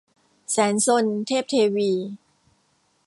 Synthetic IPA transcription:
sɛː˩˦nso˧nt̪ʰeː˥˩p̚t̪ʰeː˧wiː˧

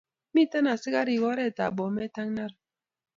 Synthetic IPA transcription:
mi˦˨ta˦na˨si˦ɣa˦ɾi˨ɣɔ˦ɾɛ˦˨ta̰˨ɓɔ˨mɛ˦ta˦ŋna˦ɾ

